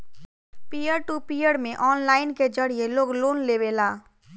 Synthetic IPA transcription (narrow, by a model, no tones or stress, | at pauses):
pijəɽʈupijəɽmẽʔɔːnlaːɪnked͡ʒəɽ̤ijeloːɡloːnlebelaː